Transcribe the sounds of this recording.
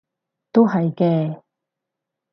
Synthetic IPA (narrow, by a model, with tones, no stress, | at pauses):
t̪o˥wɦɐ˨jkɛː˧